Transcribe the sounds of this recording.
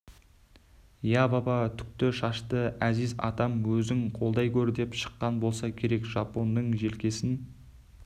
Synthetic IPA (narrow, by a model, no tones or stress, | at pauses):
jɑbɑbɑt̪ʰʏ̥k̚t̪ɪʃɑʃt̪əæzɪzɑ̰t̪ɑmwɵzɪŋqʰo̞lˠd̪ɑjkʲʰɵɾd̪e̞pʃə̥qːɑnbo̞lˠsɑkʲʰe̞ɾe̞kʒ̥ɑpo̞nːəɴʒe̞lkʲe̞sɪn